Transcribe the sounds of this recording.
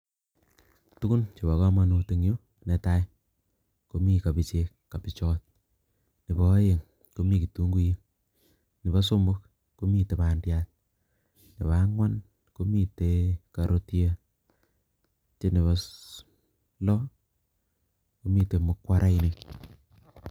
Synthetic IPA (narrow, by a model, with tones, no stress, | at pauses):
tu˦ku˦nt͡ʃi˨ba˨ka˦ma˦nu˨ti˨ŋjo˦ | ne˨ta˦j | ko˦mi˦ka˨bi˨t͡ʃe˦kkːa˨pi˨t͡ʃɔ˦t̚ | ni˨bɔ˨˦je˨ŋ | ko˦mi˦ki˨tu˨˦ŋɡu˦ji˦ŋ | ni˨ba˦so˦mbʊ˦k̚ | ko˦mi˦te˨ba˨ndja˦t | ni˨ba˨˦ŋwa˦n | ko˦mi˦te˨˦ka˨ɾʔo˦tje˦ | t͡ʃe˦ni˨βɔ˦ | lɔ˦ | ko˦mi˦te˨mʊ˨˦kwa˦ɾʔa˦i˦ni˨